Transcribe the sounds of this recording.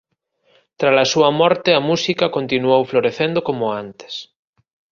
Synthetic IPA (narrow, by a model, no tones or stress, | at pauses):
t̪ɾalasuɐmɔɾt̪eamusikakont̪inuowfloɾeθend̪okomoant̪e̥s